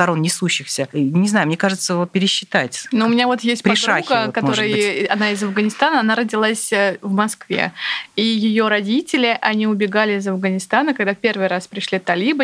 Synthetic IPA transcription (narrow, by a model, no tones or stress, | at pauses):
t̪ɐɾo̞nnʲɪsuɕːɪxsʲənʲɪznajʊmʲekaʐɨt̪səvot̪̚pʲɪɾʲɪɕːɪt̪atʲnuʊmʲɪnʲavo̞t̪jesʲt̪̚ʲpɾɪdʂaɡəkɐt̪o̞ɾɨjəɐnaɪzɐfɡənʲɪst̪anəɐnaɾədʲɪlˠasʲəvmɐskvʲḛijɪjo̞ɾɐdʲitʲɪlʲɪʔɐnʲiʊbʲɪɡalʲɪɪzɐfɡənʲɪst̪anəkɐɡd̪apʲe̞rvɨjɾaspɾʲɪʂlʲit̪ɐlʲibɨ